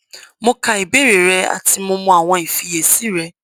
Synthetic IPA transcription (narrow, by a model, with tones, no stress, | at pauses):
mõ˧ka˧i˨be˦˨ɾe˨ɾɛ˦a̰˨ti˧mõ˧mɔ̃˧˦a˨w̃ɔ̃˧i˨fi˧je˨si˦ɾɛ˧